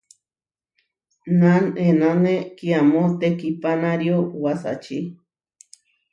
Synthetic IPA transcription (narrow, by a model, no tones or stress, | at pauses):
nanenanekiamõt̪ekipanaɾjowasa̰t͡ʃi